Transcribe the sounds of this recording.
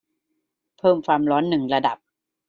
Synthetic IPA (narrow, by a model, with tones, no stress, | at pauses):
pʰɤː˥˩mkʰaː˧mɾɔː˦˥nːɯ˨˩ŋɾa˧da˨˩p̚